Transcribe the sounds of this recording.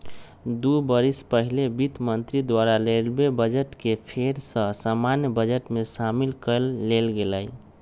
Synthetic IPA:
d̪ubəɾispəɦilebit̪mənt̪ɾid̪waɾalelbebəd͡ʒəʈkepʰeɾsə̃samanjəbəd͡ʒəʈmesamilkəlːelɡeləj

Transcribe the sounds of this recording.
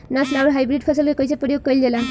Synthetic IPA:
naslawɾɦajbɾiɖ̚kʰɔsɔlkekɔjsʰepɔɾijoɡ̚kɔjlela

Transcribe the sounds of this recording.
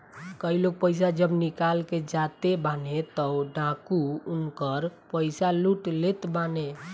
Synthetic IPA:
kəiloɡ̚pəjs̬ad͡ʒəbnikalked͡ʒat̪ebanet̪ɔɖãkuunkəɾpəɪsaluʈlet̪bane

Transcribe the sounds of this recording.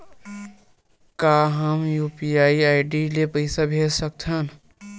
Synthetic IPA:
kaːɦɐmjuːpiaːiaːɪɖilepɐɪsabʱeːd͡ʒsək̚t̪ʰan

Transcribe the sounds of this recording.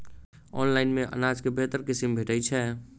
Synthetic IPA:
ɔ̰ːnlaːɪnmẽʔə̰naːd͡ʒkebeɦt̪əɾkɪsimbʱeʈəjt͡ʃʰɛ

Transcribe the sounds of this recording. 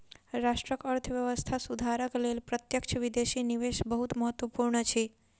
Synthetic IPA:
ɾaʃʈɾəkəɾt̪ʰəʋjəʋəst̪ʰasud̪ʱaɾəklelpɾət̪jəkʃʰəʋid̪eʃiniʋeʃbəɦut̪məɦət̪ʋəpuɾɳət͡ʃʰe

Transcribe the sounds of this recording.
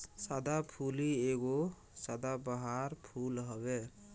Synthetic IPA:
sad̪ʱapʰulieɡo | sad̪ʱabəɦaɾpʰulɦɔbe

